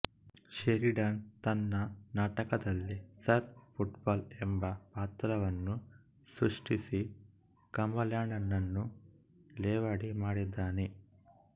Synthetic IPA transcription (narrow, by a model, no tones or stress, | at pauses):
ʃeɾiɖant̪ɐnːɐnaːʈɐkɐd̪ɐlːisɐɾpʰuʈbaːlembɐpaːt̪ɾɐʋɐnːu | sɾuʂʈisi | kɐmbɐljaːɳɐnːɐnːu | lɛːʋaːɽimaːɽid̪ːaːne